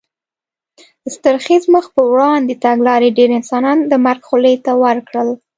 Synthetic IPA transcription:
d̪əst̪əɾxizməxpəwɽɑnd̪et̪aɡlɑɾeɖeɾɪnsɑnɑnd̪əmaɾɡxulet̪awəɾkɽəl

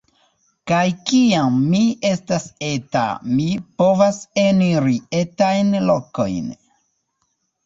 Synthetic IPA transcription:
kajkiamːie̞stase̞ta̰mipo̞vase̞niɾie̞tajnloko̞̰jn

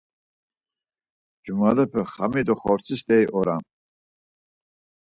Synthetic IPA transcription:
d͡ʒumalɛpʰəχamid̪ɔχɔɾt͡sʰist̪ɛjʔɔɾam

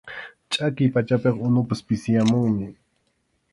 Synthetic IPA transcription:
t͡ʃʼakɪjpat͡ʃapeqʊnʊpaspɪsɪjamʊŋmɪ

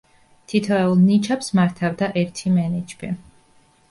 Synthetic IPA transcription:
t̪ʰit̪ʰɛulˠnit͡ʃʰapsmaɾt̪ʰavd̪aʔɛɾt̪ʰimɛnɛd͡ʒbi

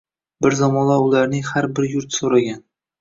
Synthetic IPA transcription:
bɪɾzamɒnlaʊlaɾnɪŋhaɾbɪɾjʊɾt̪soɾaɡʲan

